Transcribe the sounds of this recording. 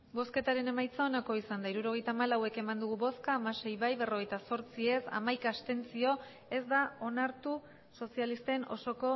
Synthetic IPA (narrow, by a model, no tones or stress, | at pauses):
bo̞ske̞t̪aɾe̞ne̞majt͡saonako̞isand̪aiɾuɾo̞ɣjt̪aːmalawe̞ke̞mand̪uɣ̞uβo̞skaːmase̞jβajβe̞ro̞ɣ̞e̞jt̪aso̞ɾt͡sie̞sa̰majkast̪e̞nt͡sio̞ | e̞zd̪ao̞naɾt̪u | so̞sialist̪e̞no̞̰so̞ko̞